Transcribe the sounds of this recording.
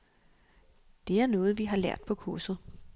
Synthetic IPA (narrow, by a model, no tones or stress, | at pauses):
d̥e̝æɐnɔːð̞̩ˠʋiɦɑ̈læɐ̰d̥̚pʰɒ̽kʰuɐsð̩ˠ